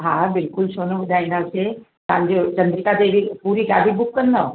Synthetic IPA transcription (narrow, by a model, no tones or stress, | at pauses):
ɦaːbɪlkʊlʃoːnoʋʊd̪ʱaːĩnd̪aːse | t̪ɐɦãɲ̆d͡ʑot͡ɕɐ̃nd̪ɾikat̪eɪipuːɾiɡa̰ːlibʊkːɐnd̪o